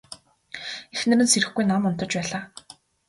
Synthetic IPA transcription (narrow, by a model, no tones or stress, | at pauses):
exnɘ̆ɾɘ̆nseɾɘ̆xɡujnamʊn̥t̪ɞ̆t͡ɕpæːɮaː